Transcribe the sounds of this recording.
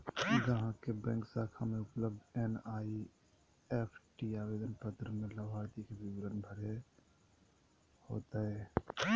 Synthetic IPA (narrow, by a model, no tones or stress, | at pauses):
d͡ʒəɦãkebɛ̃ŋksakʰameupləbd̪enai | epʰʈiabed̪ənpət̪ɾəmeləbʱaɾt̪ikebibɾənbʱəɾe | ho̰t̪ə